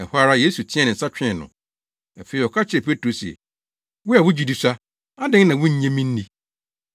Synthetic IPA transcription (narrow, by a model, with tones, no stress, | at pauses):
ɛ˨ha˦ɾa˦je˦su˨tʰɪ̃˦ɛ˨nɪ̃˨n̩˨sa˦t͡ɕᶣɪ̃˦˨nʊ̰̃˨ | a˨fe˨i˨ɔ˨kʰa˦t͡ɕʰɪ˨˦ɛ˨pʰe˦tʰɾo˨sɛ̰˨ | wʊ˦a˨wʊ˦d͡ʑi˨di˨sa˦ | a˦dɪ̃˦ŋ˦nã˨wʊ̃˦ɲ̩˦ɲẽ˦mĩ˦n̩˦nĩ˦